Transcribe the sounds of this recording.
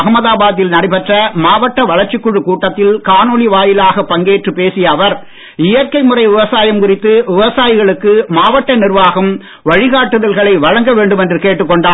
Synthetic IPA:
ɐɣɐmɐðaːbaːðɪlnɐɽɐɪpɛʈrɐmaːʋɐʈːɐʋɐɻɐɾt͡ʃɪkːʊɻɯkuːʈːɐt̪ːɪlkaːnɔɭiʋaːjɪlaːɣɐpɐŋɡeːʈrɯpeːsɪjɐːʋɐɾ | ɪjɐɾkːɐɪmɯrɐɪʋɪʋɐsaːjɐmkʊrɪt̪ːɯʋɪʋɐsaːjɪɣɐɭɯkːɯmaːʋɐʈːɐnɪɾʋaːɣɐm | ʋɐɻɪɣaːʈːɯðɐlɣɐɭɐɪʋɐɻɐŋɡɐʋeːɳɖɯmɛndrɯkeːʈːɯkːɔɳɖaː

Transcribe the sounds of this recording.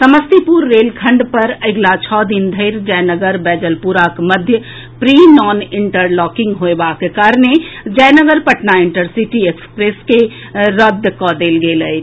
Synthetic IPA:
səməst̪ipuɾːeːlkʰə̃ɳɖpəɾəɪɡlat͡ʃʰɔːd̪ind̪ʱəɪɾd͡ʒəjnəɡəɾbɛːd͡ʒəlpuɾakməd̪ʱjə | pɾinɔːnɪɳʈəɾlɔkɪ̃ŋɡɦoebakekaɾned͡ʒəjnəɡəɾpəʈnaɪɳʈəɾsiʈiekspɾeːske | ɾəd̪ʱkɔd̪eːlɡeːləj

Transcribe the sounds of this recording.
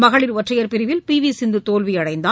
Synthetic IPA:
mɐɣɐɭɪɾʋɐʈrɐjɐɾpɪɾɪʋɪlpiːʋisɪnd̪ɯt̪oːlʋiɐɽɐɪnd̪aː

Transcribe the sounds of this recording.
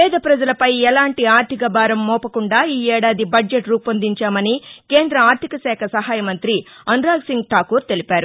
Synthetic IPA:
pɛːd̪ɐpɾɐd͡ʒɐlɐpɐjɛlaːɳʈiaːɾt̪ʰikɐbaːɾɐmːɔːpɐkuɳɖaːiːɛːɽaːd̪ibɐd͡ʒeʈɾuːpɐnd̪iɲt͡ʃaːmɐnikeːnd̪ɾɐaːɾt̪ʰikɐsɛːkʰɐsɐɦaːjɐmɐnt̪ɾiɐnɾaːɡsiŋɡʈaːkuːɾt̪e̞lipaːɾu

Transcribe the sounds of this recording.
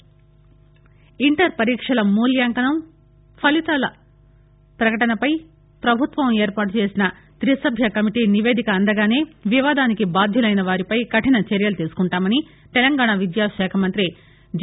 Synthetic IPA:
iɳʈɐɾpɐɾiːkʂɐlɐmuːljaːŋkɐnɐm | pʰɐlit̪aːlɐ | pɾɐkɐʈɐnɐpɐj | pɾɐbʱut̪ʋɐmeːɾpaːʈ̬ut͡ʃe̞ːsinɐ | t̪ɾisɐbʱjɐkɐmiʈiːniʋe̞ːd̪ʱikɐːnd̪ɐɡaːne̞ːʋiʋaːd̪aːnikibaːd̪ʱjulɐjnɐʋaːɾipɐjkɐʈinɐt͡ʃeɾjɐlut̪iːsu̥kuɳʈaːmɐni | t̪ɛlɐŋɡaːɳaʋid̪jaːʃɛːkʰɐmɐnt̪ɾi

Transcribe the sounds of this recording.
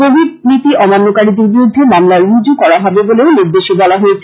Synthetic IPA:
kobʱiɖnit̪iʔɔmanːokaɾid̪eɾbiɾud̪ʱːemamlaɾuud͡ʑokɔɽaɦɔbeboleoniɾd̪eʃebɔlaɦoet͡ɕʰe

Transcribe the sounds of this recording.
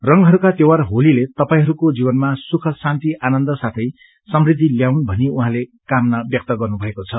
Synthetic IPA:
rʌŋɡɦʌɾukat̪ewarɦolilet̪ʌpaĩɦʌɾukod͡zibʌnmasukʰʌsant̪iʔanʌnd̪ʌsat̪ʰʌj | sʌmrid̪ʱːiljawnbʱʌniuɦãlekamnʌbjʌk̚t̪ʌɡʌrnubʱʌekot͡sʰʌ

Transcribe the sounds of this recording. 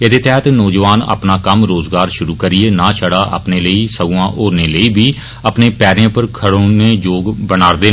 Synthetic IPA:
ed̪eːt̪ɛːɦət̪nɔːd͡ʒəʋaːnə̰pnaːkəmɾoːzɡaːɾʃʊɾuːkəɾɪeːnaːʃʰəɽaːʔə̰pneːləiːsəɡʊãːʔoːɾneːləiːbʱiː | əpneːpɛːɾãːpəɾkʰəɽoːneːd͡ʒoːɡbənaːɾd̪eː

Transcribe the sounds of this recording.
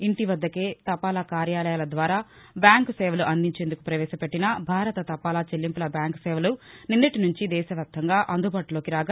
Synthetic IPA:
iɳʈiʋɐd̪ːɐke̞ːt̪ɐpaːlakaːɾjaːlɐjaːlɐd̪ʋaːɾaː | bjaːŋksɛːʋɐluʔɐnd̪iɲt͡ʃe̞ːnd̪ukupɾɐʋɛːʃɐpeʈːinɐbʱaːɾɐt̪ɐt̪ɐpːaːlaːt͡ʃelːimpulɐbjaːŋksɛːʋɐluninːɐʈinuɲt͡ʃid̪ɛːʃɐʋjaːp̚t̪ʰːɐŋɡaːʔɐnd̪ubaːʈulo̞ːkiɾaːɡɐ

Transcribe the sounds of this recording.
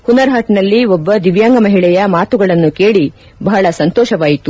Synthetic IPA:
hunɐɾɦaːʈnɐlːiɔbːɐd̪iʋjaːŋɡɐmɐɦiɭɛjɐmaːt̪uɡɐɭɐnːuke̞ːɭi | bɐɦɐɭɐsɐnt̪ɔːʃɐʋaːjit̪u

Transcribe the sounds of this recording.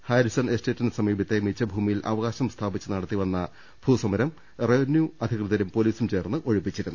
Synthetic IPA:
haːɾisɐnesteːtːɐnsɐmiːbʱit̪ːemit͡ɕːɐbʱuːmijilʔɐ̰ʋɐɣaːɕɐmst̪ʰaːbit͡ɕːɨnɐɽɐt̪ːiʋɐnːɐ | b̥ʱuːsɐmɐɾɐm | reʋɐnjuɐd̪ʱikrɨðɐɾumpoliːsumt͡ɕe̞ːrnːɨʔo̞ɻipːit͡ɕːiɾunː

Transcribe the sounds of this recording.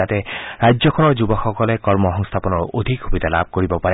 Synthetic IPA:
at̪ɛɹajd͡ʒzɔkʰɔnɔɹd͡ʒubɔxɔkɔlekɔɹmɔɦɔŋst̪ʰapɔnɔɹod̪ʱikxubid̪alab̚ʱkoɹibɔpa

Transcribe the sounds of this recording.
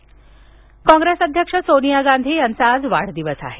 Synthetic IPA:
kɔ̃ŋɡɾesəd̪ʱjəkʂəsonijaɡand̪ʱiːjant͡saːd͡zʋaɽ̤d̪iʋəsa̰ɦe

